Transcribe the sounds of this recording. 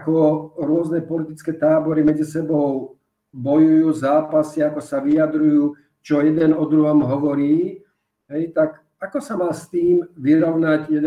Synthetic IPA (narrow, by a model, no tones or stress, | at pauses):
akɔɾʊɔznɛpɔlit̪it͡skɛːt̪aːbɔɾimɛd͡zisɛbɔʊ | bɔjujuːzaːpasiakɔsaʋijad̪ɾujuː | t͡ʃɔjɛd̪ɛnɔd̪ɾuɦɔmɦɔʋɔɾiː | ɦɛjt̪ak | akɔsamaːst̪iːmʋiɾɔʊnacjɛd̪